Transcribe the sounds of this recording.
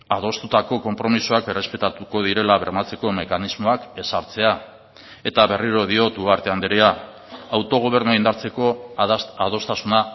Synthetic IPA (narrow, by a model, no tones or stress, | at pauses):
að̞o̞st̪ut̪ako̞ko̞mpɾo̞misoake̞re̞spe̞t̪at̪uko̞ðiɾe̞laβe̞̰ɾmat͡se̞ko̞me̞kanizmo̞ake̞saɾt͡se̞a | e̞t̪aβe̞riɾo̞ð̞io̞t̪uaɾt̪e̞and̪eɾea | awt̪o̞ɣ̞o̞β̞e̞ɾnuaind̪aɾt͡se̞ko̞aðo̞st̪asuna